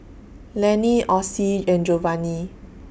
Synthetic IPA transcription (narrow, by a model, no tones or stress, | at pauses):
lɛniʔɔsiɛ̃nd͡ʒɔvani